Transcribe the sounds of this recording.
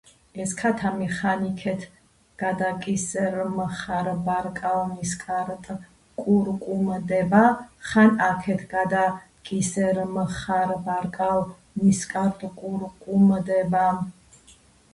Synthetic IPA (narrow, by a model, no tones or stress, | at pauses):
ɛskʰat̪ʰamiχanikʰɛt̪ʰ | ɡ̥ad̪akʼisɛɾmχaɾbaɾkʼalniskʼaɾt̪ʼ | kʼuɾkʼumd̪ɛbaχanakʰɛt̪ʰɡad̪a | kʼisɛɾməχaɾbaɾkʼal | niskʼaɾt̪ʼkʼuɾkʼumd̪ɛba